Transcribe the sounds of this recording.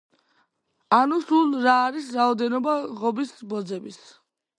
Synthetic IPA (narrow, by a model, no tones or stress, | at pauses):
anusulɾaːɾisɾaɔd̪ɛnɔbaʁɔbisbɔd̪zɛbis